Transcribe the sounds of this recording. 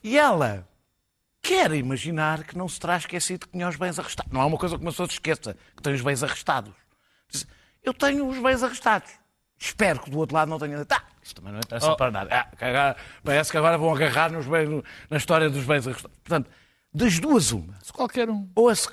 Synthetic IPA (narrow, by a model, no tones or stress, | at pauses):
iɛlˠɐ̰ | kʰɛɾimɐʒinaɾkɨnɐ̃w̃sɨ̥t̪ɾaʃkɛsiðkɲaʒβɐ̃j̃zɐʁɨʃt̪anɐ̃w̃ɛumɐkojzɐkumɐpsoɐsʃkesɐkɨ̥t̪ɐ̃j̃uʒβɐ̃j̃zɐʁɨʃt̪aðuʃ | izɐ | ewt̪ɐɲuːʒβɐ̃j̃zɐʁɨʃt̪aðuʃ | ʃpɛɾukd̪uot̪ɾlˠaðnɐ̃t̪ɲɐ̃d̪it̪a | isu̥t̪ːɐmɐ̃nɐ̃ẽt̪ɾɛspɐɾɐna̰ðɐakɐɣɔɾɐpɐɾɛskɐɣɔɾɐvɐ̃w̃ɐɣɐʁaɾnuʒβɐ̃j̃ʒunɐiʃt̪ɔɾjɐðuʒβɐ̃j̃zɐʁɨʃt̪aðuʃpuɾt̪ɐ̃nt̪u | d̪ɐʒd̪uɐzṵmɐskwalˠkɛɾũoɐs